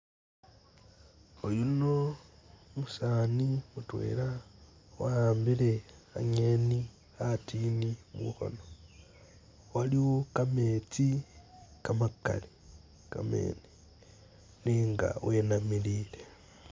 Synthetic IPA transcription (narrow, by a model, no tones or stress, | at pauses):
ojuno | musaːnimutwḛɾawaaːmbilea̰ɲeni | atiːnimṵxo̰no | waliwokame̞t͡si | kamakːa̰li | ka̰mḛni | niːŋɡa̰wenamiliːle